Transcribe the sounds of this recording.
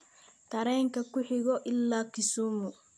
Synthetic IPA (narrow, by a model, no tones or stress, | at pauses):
t̪ʰɐɾɛːŋkʰɐkʊħɪɣɔʔɪlːaːkɪsuːmʊ